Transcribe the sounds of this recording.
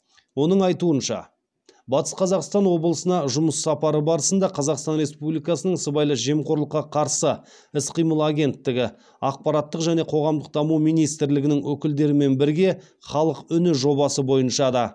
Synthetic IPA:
wo̞nəɴɑjt̪uənʃɑ̰ | bɑt̪ə̥sqʰɑzɑqst̪ɑnwo̞blˠəsənɑʒʊməsːɑpɑɾəbɑɾəsənd̪ɑqʰɑzɑqst̪ɑnɾe̞spublijkɑsənəɴsəbɑjlˠəʒe̞mqʰo̞ɾlˠəqːɑqʰɑɾsə | ɪsqʰijməlˠaɡʲe̞nt̪ːɪɡʲɪ | ɑq̚pɑɾɑt̪ːəqʒæne̞qʰo̞ʁɑmd̪əq̚d̪ɑmumijnijst̪ɪɾlɪɡʲɪnɪŋwɵkʲɪld̪e̞ɾɪme̞nbɪɾɡʲe̞ | χɑlˠəqʏnɪʒo̞βɑsəbo̞jənʃɑd̪ɑ

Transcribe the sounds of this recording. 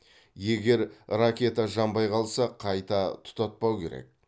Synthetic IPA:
je̞ɡʲe̞ɾrakʲe̞t̪aʒɑmbɑjqʰɑlˠsɑqʰɑjt̪ɑt̪ʰʊ̥t̪ɑt̪̚pɑwkʲʰe̞̰ɾḛk̚

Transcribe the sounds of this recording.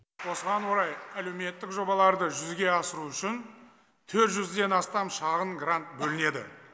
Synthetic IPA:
wo̞səʁɑnwo̞ɾɑjæle̞wme̞t̪ːɪkʒo̞bɑlˠɑɾd̪əʒʏzɡʲe̞ɑsəɾuʏʃɪn | t̪ʰɵɾt̪ʒʏzd̪e̞nɑst̪ɑmʃɑʁəɴɡrant̪̚bɵlɪne̞d̪ɪ̰

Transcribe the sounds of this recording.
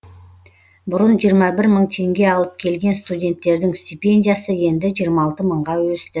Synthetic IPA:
bʊɾənʒijəɾmɑbɪɾməɴt̪ʰe̞ŋɡʲe̞ɑlˠəp̚kʲʰe̞lɡʲe̞nst̪udʲe̞nt̪ːe̞ɾd̪ɪŋst̪ʲijpʲe̞nʲdʲijasəje̞nd̪ɪʒijəɾmɑːlˠt̪əməɴʁɑwɵst̪ɪ

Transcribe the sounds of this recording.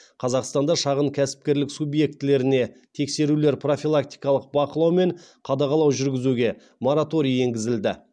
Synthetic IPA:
qʰɑzɑqst̪ɑnd̪ɑʃɑʁəɴkʲʰæsɪ̥p̚kʲe̞ɾlɪksubje̞k̚t̪ɪle̞ɾɪne̞t̪ʰe̞kse̞ɾule̞ɾpro̞fʲilˠak̚t̪ijkɑlˠəq̚bɑqəlˠɑwme̞ɴqʰɑd̪ɑʁɑlˠɑwʒʏɾɡʲɪzuɡʲe̞ | mo̞ɾat̪o̞ɾije̞ŋɡʲɪzɪld̪ɪ

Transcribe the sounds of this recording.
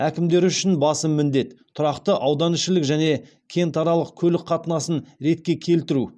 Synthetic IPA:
ækʲɪmd̪e̞ɾʏʃɪnbɑsəmmːɪnd̪e̞t̪t̪ʰːʊɾɑqt̪əʔɑwd̪ɑnɪʃɪlɪkʒæne̞ | kʲʰe̞nt̪ʰɑɾɑlˠəqkʲʰɵlɪkqʰɑt̪ənɑsənɾe̞t̪̚kʲe̞kʲʰe̞lt̪ɪɾu

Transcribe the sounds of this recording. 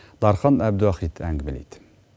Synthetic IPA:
d̪ɑɾχɑnæb̚d̪uɑχit̪ʰæŋɡʲmɪlḭt̪

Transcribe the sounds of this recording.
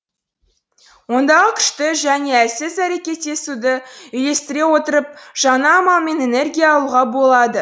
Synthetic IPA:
wo̞nd̪ɑʁəkʲʰʏ̥ʃt̪ɪʒæne̞æsɪzæɾe̞kʲe̞t̪ːe̞sud̪əʏjle̞st̪ɪɾe̞wo̞t̪əɾəp̚ʒ̥ɑnɑːmɑlˠme̞ne̞ne̞rɡʲijaːlˠuʁɑbo̞lˠɑd̪ə

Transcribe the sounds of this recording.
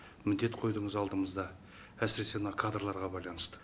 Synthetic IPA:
mʏd̪e̞t̪qʰo̞jd̪əɴəzɑlˠd̪əməzd̪ɑ | æsɪɾe̞se̞mnɑkʰad̪rlˠɑɾʁɑbɑjlˠɑnəst̪ə̥

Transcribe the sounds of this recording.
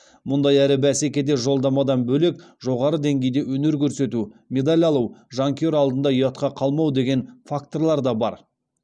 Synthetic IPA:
mʊnd̪ɑjæɾɪbæse̞kʲe̞d̪e̞ʒo̞lˠd̪ɑmɑd̪ɑnbɵle̞k̚ʒo̞ʁɑɾəd̪e̞ŋɡʲe̞jd̪e̞wɵne̞ɾkʲʰɵɾse̞t̪ume̞d̪alʲɑlˠuwʒaŋkʲio̞ɾɑlˠd̪ənd̪ɑojɑt̪qɑqʰɑlˠmɑwd̪e̞ɡʲe̞nfak̚t̪o̞rlˠɑɾd̪ɑbɑɾ

